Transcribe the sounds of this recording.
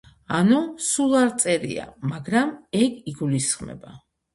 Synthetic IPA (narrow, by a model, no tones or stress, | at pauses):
anusulˠaɾt̪sʼɛɾḭa̰maɡɾamɛɡiɡulisχmɛ̰ba